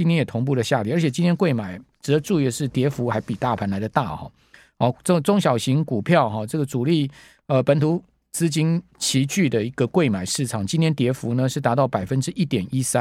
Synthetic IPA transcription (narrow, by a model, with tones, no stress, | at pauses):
t͡ɕi˥nt̪jɛ˥njɛ˨˩t̪ʰʊ˧˥ŋp̬u˥˩lə˩ɕja˥˧li˥˩˨ə˞˧˥t͡ɕʰjɛ˨˩t͡ɕi˥nt̪jɛ˥nkwe˥˩ɪma˨˩ɪʈ͡ʂɻ̩˨˥d̪ə˧ʈ͡ʂu˥˧i˥˩ə˧ʂɻ̩˥˩t̪jɛ˧˥fu˧˥xa˧˥ɪpi˨˩t̪a˥˩pʰa˧˥nla˧˥ɪd̪ə˨˧t̪a̰˥˨˩xɔ̰˨˩ | ɔ˥˩ə˥˩ʈ͡ʂʊ˥ŋɕ̬jɑ˨˩ʊɕi˧˥ŋku˨˩pʰjɑ˥˨ʊxɔ˨ʈ͡ʂɤ˥˩ɡə˩t͡su˨˩li˥˩ | ə˧pə˧˥nt̪ʰu˧˥ | t͡sɹ̩˥t͡ɕi˥n | t͡ɕʰi˧˥t͡ɕy˥˩d̪ə˩i˧˥ɡ̥ə˧kwe˥˩ɪma˨˩ɪʂɻ̩˥˩ʈ͡ʂʰɑ˨˩ŋt͡ɕi˥nt̪ʰjɛ˥nt̪jɛ˧˥fu˧˥nə˧ʂɻ̩˥˩t̪a˧˥t̪ɑ˥˩ʊpa˨˩ɪfə˦nʈ͡ʂɻ̩˥ʔi˥˩t̪jɛ˨˩ni˦˥sa˦